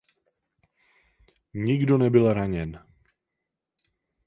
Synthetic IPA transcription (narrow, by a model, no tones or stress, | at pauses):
ɲiɡdonɛbilɾaɲɛn